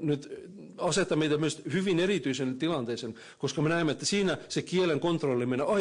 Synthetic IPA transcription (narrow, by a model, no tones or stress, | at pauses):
nyt̪ | ɑset̪ːɑmeit̪æmyst̪hyʋinerit̪yisent̪ilɑnt̪eːsen | koskɑmenæimːæet̪ːæsiːnæsekieleŋkont̪rolːimenɑ